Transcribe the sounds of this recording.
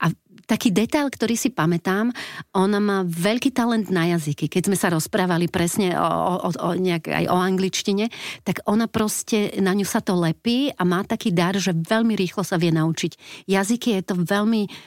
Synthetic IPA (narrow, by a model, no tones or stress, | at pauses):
ʔa | t̪akiːd̪ɛt̪aʎkt̪ɔɾiːsipamɛt̪aːmʔɔnamaːʋɛʎkiːt̪alɛnd̪najazikikɛɟzmɛsaɾɔspɾaːʋalipɾɛsɲɛ̰ɔ̰ɲɛaɡa̰jʔɔaŋɡlit͡ʃciɲɛt̪aɡɔnapɾɔscɛnaɲusat̪ɔlɛpiːʔamaːt̪akiːd̪aɾʒɛʋɛʎmiɾiːxlɔsaʋɪɛnaut͡ʃicjazikijɛt̪ɔʋɛʎmi